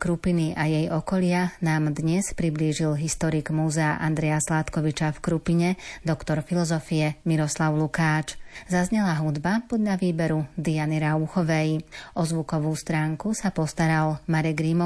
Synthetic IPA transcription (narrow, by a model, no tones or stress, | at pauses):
kɾupiniʔajɛjɔkɔʎɪanaːmd̪ɲɛspɾibliːʒilɦist̪ɔɾiɡmuːzɛaʔand̪ɾɛjaslat̪kɔʋit͡ʃafkɾupiɲɛd̪ɔkt̪ɔɾfilɔzɔfiɛmiɾɔslaʊlukaːt͡ʃzazɲɛlaɦud̪bapɔd̪ʎaʋiːbɛɾud̪ianiɾauxɔʋɛjʔɔzʋukɔʋuːst̪ɾaːŋkusapɔst̪aɾalmaɾɛɡɾimɔ